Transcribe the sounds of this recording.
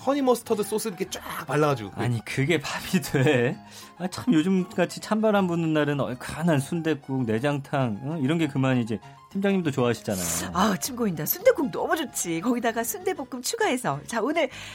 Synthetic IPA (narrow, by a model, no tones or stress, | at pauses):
hʰʌɲimʌsʰɯ̥tʰʌdɯs͈osʰɯɾikʰet͡ɕ͈paɭːaɡad͡ʑoa̰ɲikɯɡe̞pabidwe | at͡ɕ͈ʰʌɯmjod͡ʑɯmk͈at͡ɕʰit͡ɕʰambaɾɦanbunɯnːaɾɯnʌkanɦansʰunde̞k͈ukne̞d͡ʑaŋtʰaŋiɾʌnɡe̞kɯmanid͡ʑe̞ | tʰimd͡ʑaŋɲimdot͡ɕoaɦaɕʰi̥d͡ʑanajoat͡ɕʰimɡoindasʰunde̞k͈uŋnʌmud͡ʑot̚t͡ɕ͈ʰikʌɡidaɡasʰunde̞bok͈ɯmt͡ɕʰuɡaɦe̞sʰʌt͡ɕaonɯɭ